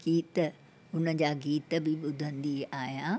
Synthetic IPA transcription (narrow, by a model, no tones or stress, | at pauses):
ɡ̥iːt̪ | ʊnəd͡ʑaːɡiːt̪bɪɓʊd̪ʱə̃nd̪iaːɦjãː